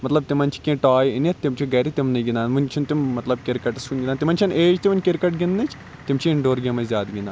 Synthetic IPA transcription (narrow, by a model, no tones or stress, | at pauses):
mɐt̪lɐb̚t̪imɐnʲt͡ʃʰi̥kʲẽːʈaːjinitt̪imt͡ʃʰiɡɐɾit̪imnɨɡʲind̪aːnʋunʲt͡ʃʰint̪imːɐt̪lɐb̚kʲeɾkɐʈɐsunɡinaːnt̪imɐnʲt͡ʃʰɐnʔeːd͡ʒt̪iʋɐnʲkʲeɾkɐʈɡʲinːɨt͡ʃʰ | t̪imt͡ʃʰiiɳɖoːɾɡʲɐmɐzʲjaːd̪ɡʲind̪aː